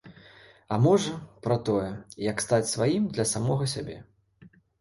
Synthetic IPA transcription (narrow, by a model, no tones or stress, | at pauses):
ɐmɔʐɐpɾɐt̪ɔjɛjɐkst̪at͡sʲsvajimd̪lʲɐsamɔɣɐsʲabʲɛ̰